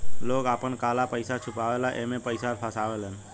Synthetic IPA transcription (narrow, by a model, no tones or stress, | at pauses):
lokapəɳkalapəjsat͡ʃʰupaʋelaʔemepəjsaɾpʰasaʋelən